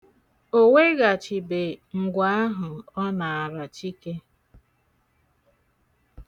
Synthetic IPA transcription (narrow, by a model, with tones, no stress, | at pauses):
o˦we˦ɣa˨t͡ʃɪ˨be˨ŋ̩˨ɡʷa˦a˦ɦʊ˨ɔ˦na˨a˨ɾa˨t͡ʃi˦ke˦